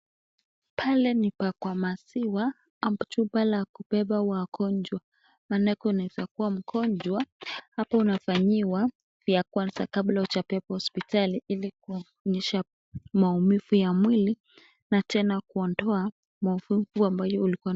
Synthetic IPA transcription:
pʰalɛnipakwamasiwa | ambutuɓalakupɛɓawakɔnd͡ʒwa | manɛkɔinaɛzakuwam̩kʰɔɲd͡ʒwahapaunafaɲiwa | vjakwanzakablaut͡ʃapɛɓahɔspitaliʔiliku | ɲɛʃa | maumifujamwili | natɛnakuɔndɔa | maufuvuambajɔulikua

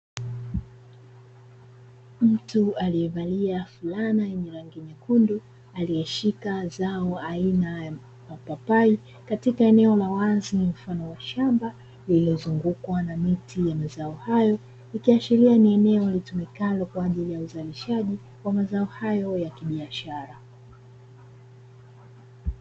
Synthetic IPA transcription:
m̩tualiɛvaliafulanajɛɲɛɾaŋɡiɲakundu | aliɛʃikazaɔainaja | mapapai | katikaɛnɛɔlawazinim̩fanɔwaʃamba | lilɔzuŋɡukwanamitʰijamazaɔhajɔ | ikiaʃiɾianiɛnɛɔlitumikalɔkwaːʄilijauzaliʃaʄi | wamazaɔhajɔjakiɓiaʃaɾa

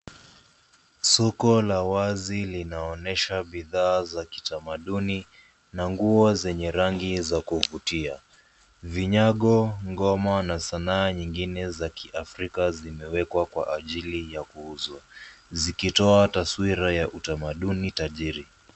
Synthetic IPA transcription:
sɔkɔlawazilinaɔnɛʃaɓiðaːzaki̥tamaɗuni | naŋɡuɔzɛɲɛɾaŋɡizakuvutia | viɲaɠɔŋɡɔmanasanaːɲiŋɡinɛzakiʔafɾikazimɛwɛkwakwa̰ʔaʄilijakuuzwazikitɔataswiɾajaʔutamaɗunitaʄiɾi

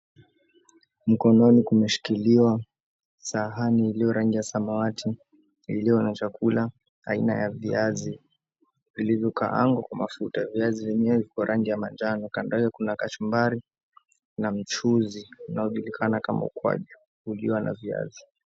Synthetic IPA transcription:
m̩kɔnɔnikumɛʃi̥kiliwa | saɦaniːlijɔɾaŋɡijasamawatʰi | iliɔnat͡ʃakʰula | a̰ina̰javiazi | vilivjɔka̰ʔa̰ŋɡakwamafutaviazivimiɛvikɔɾʔaŋɡijamand͡ʒanɔkandaɡakunakat͡ʃumbaɾi | nam̩t͡ʃuziunaɔʄulikʰanakama̰ṵkwa̰ʄu | uliwanʔa̰via̰zi

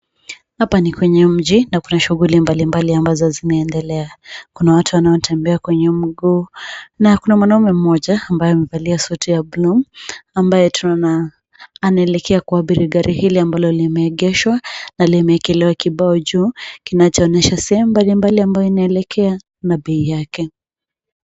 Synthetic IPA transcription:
hapanikwɛɲɛm̩ʄinakunaʃuɣulimbalimbaliambazɔzinaːndɛlɛakunawatuwanaɔn̩tʰɛmbɛakwɛɲɛm̩ɡuːnakunamwanaumɛm̩mɔʄaːmbajɔamɛvaliasutijablumambajɛtun | anaɛlɛkʰɛakuaɓiɾiɡaɾʔihiliambalɔlimɛːɠɛʃwanalimɛkɛlɛwakiɓaɔʄuːkinat͡ʃɔːnɛʃasɛhɛmumbalimbaliambajɔinaɛlɛkʰɛa | naɓɛijakɛ

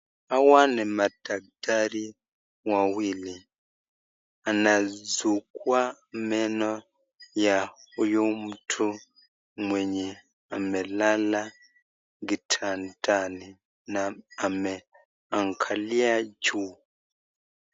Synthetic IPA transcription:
awanɛmataɡ̚taɾi | wawili | anazukwamɛno | jaujomutʰu | mweɲi | amɛlala | ɡitʰantʰani | naamɛ | aŋkʰaliad͡ʒu

